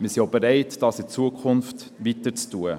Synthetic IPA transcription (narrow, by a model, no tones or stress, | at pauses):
mɪsiobeɾɛɪtd̥ɑsɪt͡suəkχʊnft | ʋitəɾt͡stuə